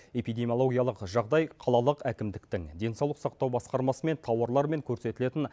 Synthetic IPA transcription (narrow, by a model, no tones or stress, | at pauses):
e̞pijd̪e̞mʲijo̞lˠo̞ɡʲijɑlˠəqʒɑʁd̪ɑjqʰɑlˠɑlˠəqækʲɪmd̪ɪkt̪ɪŋd̪e̞nsɑwlˠəqsɑqt̪ɑwbɑsqɑɾmɑsəme̞nt̪ʰɑwɑɾlˠɑɾme̞ŋkʲʰɵɾse̞t̪ɪle̞t̪ɪn